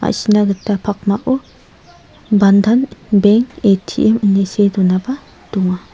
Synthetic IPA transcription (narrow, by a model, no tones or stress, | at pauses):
a̰sinaɡɯtːapʰak̚maʔɔ | bandanbeŋetʰḭʔemɯnisedɔnaba | d̥uŋa